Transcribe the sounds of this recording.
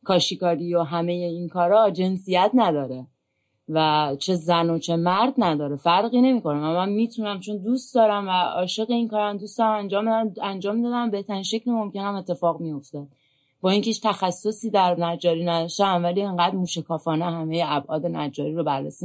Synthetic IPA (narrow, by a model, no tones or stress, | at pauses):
kʰɒːʃikɒːɾijoɦæme̞jeinkʰɒːɾɒd͡ʒe̞nsijæt̪ʰnæd̪ɒːɾe | væt͡ʃʰe̞zænot͡ʃʰe̞mæɾd̪næd̪ɒːɾefæɾɣiːne̞miːko̞næmæmænmiːt̪ʰunæmt͡ʃʰo̞nd̪uːsd̪ɒːɾæmvæɒːʃe̞ɣe̞inkɒːɾænd̪uːsd̪ɒɾæmænd͡ʒɒːmænd͡ʒɒːmd̪ɒːd̪æmbe̞ht̪ʰæɾinʃe̞cʰlemo̞mce̞næme̞t̪ʰːe̞fɒːɣmijo̞ft̪ed̪̥̚ | b̥ɒːiŋcʰeit͡ʃt̪ʰæxæsːo̞siːd̪æɾnæd͡ʒɒːɾiːnæd̪ʃt̪æænvæliːeŋɢæːd̪muːʃekʰɒːfɒːneɦæme̞jeæbʔɒːd̪e̞næd͡ʒɒːɾiːɾobæɾːḛsi